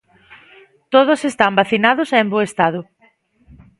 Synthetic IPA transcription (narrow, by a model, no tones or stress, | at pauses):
t̪oð̞ʊsest̪ambaθinað̞ʊsɛmboest̪aðʊ